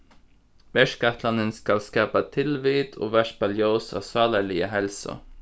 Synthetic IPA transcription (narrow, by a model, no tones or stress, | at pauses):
ʋɛʃkɑt̪lɑnənskɑlskɑːpət̪ʰɪlʋiːt̪ʰo̰ːʋæʃ̚bɑljoːsɑ̰ːsɑːləɭɪəɦɛlsə̰